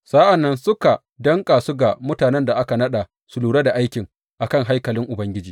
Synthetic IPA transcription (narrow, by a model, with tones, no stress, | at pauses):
sa˦ʔa˨nːɐ˦nsʊ˦ka˨ | dɐ˦ŋkʼaː˨sʊ˦ɡa˨mʊ˦taː˨nɛ˦nda˨ʔa˦ka˨nɐ˦ɗa˨ | su˨luː˨ɽe˦da˨ʔa˦jkʲɪ˨ŋ | ʔa˨kɐ˦˨ŋɦa˦jkɐ˨lɪ˦ŋʔʊ˨bɐ˦ŋɡʲɪ˦d͡ʒiː˨